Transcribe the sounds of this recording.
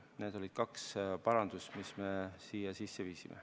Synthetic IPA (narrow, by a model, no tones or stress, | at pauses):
neːd̪̥o̞lʲid̪̥̚kɑkspɑɾɑnd̪̥usmisme̞siːjɑsisːe̞viːsimʔḛ